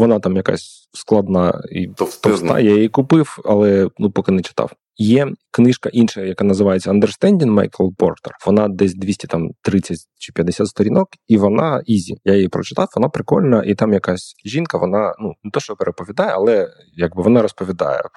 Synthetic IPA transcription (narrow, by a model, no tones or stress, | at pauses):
ʋɔnɑt̪ɑmjɐka̰sʲ | sklˠɐd̪nɑḭt̪st̪t̪ɔsɑ̰jajijikʊpɪwɐ̰lˠɛnupɔkɪnɛt͡ʃɪ̥t̪ɑ̰w | jɛknɪʃkɐʔinʃɐjɐkanɐzɪʋajet͡sʲːɐɐnd̪ɛrst̪ɛnʲdʲinma̰jkɛlˠpɔ̰rt̪ɛ̰rʋɔnɑd̪ɛsʲd̪ʲʋʲisʲtʲi̥t̪ɑmt̪ɾɪt͡sʲːɐtʲt͡ʃɪ̥pʲjɐd̪ɪsʲat̪st̪ɔɾʲinɔkiʋɔnɑizʲijajijipɾɔt͡ʃɪ̥t̪ɑwʋɔnɑpɾɪkɔ̰lʲnɐʔit̪ɑmjɐkasʲʒʲinkɐʋɔnɑnunɪt̪ɔʃt͡ʃɔpeɾepɔʋʲid̪ɑjɛɐlˠɛ | jaɡ̚bɪʋɔnɑɾɔspɔʋʲid̪ɑ̰jɛ̰